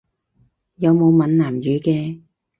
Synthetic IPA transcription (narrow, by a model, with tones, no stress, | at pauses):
jɐ˨˧wmo˨˧wmɐ˨˥nnaː˨˩mjyː˨˥kɛː˧